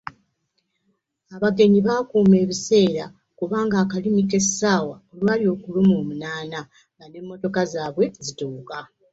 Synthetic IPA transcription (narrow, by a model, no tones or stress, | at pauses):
aβaɡe̞ɲiβaːkuːme̞ːβise̞ːɾa | kuβaːŋɡaːkalimite̞saːwaolwaːljo̞ːkulumoːmunaːna | ɡanemːo̞to̞kazaːβwe̞zituːka